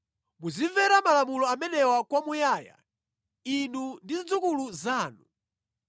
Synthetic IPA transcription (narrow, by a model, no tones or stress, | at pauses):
muziɱvɛɾamalamulɔamɛnɛwakwamujaːja̰ | inundiid͡zukuluzaːnu